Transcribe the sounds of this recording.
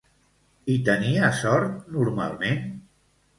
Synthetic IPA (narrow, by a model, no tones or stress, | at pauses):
it̪əniəsɔɾt̪̚nuɾma̰lˠmen